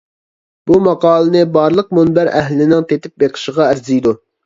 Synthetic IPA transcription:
b̥umɑqɑːlˠɨnɨbɑɾlˠəq̚munbæɾʔɛ̰ɦlɪnɪŋt̪ʰet̪ɪp̚beqʰə̥ʃəʁɑæɾzijd̪u

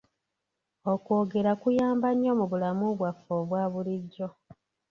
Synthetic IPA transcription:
o̞kwo̞ːɡe̞ɾakujaːmbaɲːo̞ːmuβulamuβwafoβwaːβuliɟːo̞

